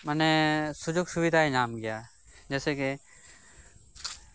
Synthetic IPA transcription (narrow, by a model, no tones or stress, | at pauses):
mənɛsʊd͡ʒoːɡsʊbɪd̪ʱaːinaːmkɪjaː | d͡ʒɛːsekɪ